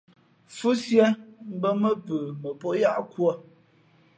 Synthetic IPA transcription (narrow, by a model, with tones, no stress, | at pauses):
fu˦sjə˦m̩˦bə˦mə˦pə˨mə˨po˦ja˦ʔkwɔ˦˨